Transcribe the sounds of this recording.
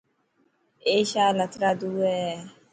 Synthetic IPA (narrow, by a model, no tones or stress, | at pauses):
eʃaːlat̪ɾad̪uɛ